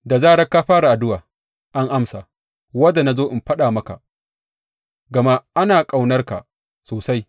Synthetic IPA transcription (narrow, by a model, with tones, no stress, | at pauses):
da˨zaː˦ɽɐ˦ka˦ɸaː˦ɾa˨ʔa˨dʊ˦waː˨ | ʔa˦ŋʔa˦msa˨ | wɐ˦da˨na˦zoː˦ʔɪ˨mɸɐ˦ɗaː˨mɐ˦ka̰˨ | ɡɐ˨ma˦ʔa˦naː˨kʼa˨wnɐ˦rka̰˨ | soː˨sa˦j